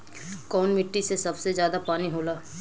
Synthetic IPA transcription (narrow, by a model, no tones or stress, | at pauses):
kɔːnmɪʈːisesɐbsezjaːd̪apaːniɦoːlaː